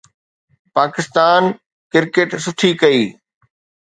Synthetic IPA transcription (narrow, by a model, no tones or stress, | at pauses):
paːkɪst̪aːn | kɪɾkeːʈsʊʈʰikɐiː